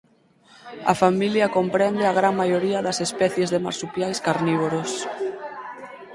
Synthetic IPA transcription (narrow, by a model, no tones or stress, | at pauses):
a̰familjakompɾɛnd̪eaɣ̞ɾaŋmajoɾiaðasespɛθjezðema̰ɾsupjajskaɾniβoɾos